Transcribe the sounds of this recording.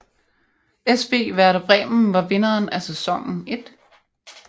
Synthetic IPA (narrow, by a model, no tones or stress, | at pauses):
esʋ̥e̝̰ːʋæɐɾæb̥ʁɛ̰ːmn̩ʋɑ̈ʋe̝nɐːnæsesɒ̽ŋ̰n̩e̝d̥